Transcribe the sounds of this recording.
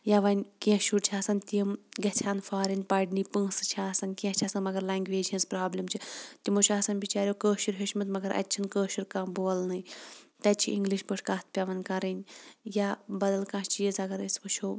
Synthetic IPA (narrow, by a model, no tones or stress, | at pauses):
jaʋɐnʲkĩʃʰuɾt͡ʃʰaːsɐnʲt̪iɐmɡɐt͡ʃʲʰaːnfaːɾɐnʲpaːɖnipə̃ːsɨt͡ʃʰaːsɐnkiẽt͡ʃʰaːsɐnmɐɡɐɾlaŋɡʲʋeːd͡ʒʲɐ̃nspɾaːblʲɐmt͡ʃʰit̪imot͡ʃʰaːsɐnʲbit͡ʃaːɾʲjoːkəːʃiɾɦeʃmɐt̪mɐɡɐɾʔɐ̰tʲːt͡ʃʰinkəːʃuɾkãːboːlnɨjt̪ɐt͡ʃʰiiŋɡliʃbəʈʰkaːt̪̚ʰpʲjaʋɐnkɐɾɐnʲjabɐd̪ɐlkãːʃt͡ʃijizɐɡɐɾəsʋɐt͡ʃʰoː